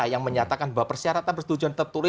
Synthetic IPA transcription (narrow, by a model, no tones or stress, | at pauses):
ajaŋməɲat̪akanbawapərsiaɾat̪anpərsə̥t̪ud͡ʒuant̪ət̪uɾɪ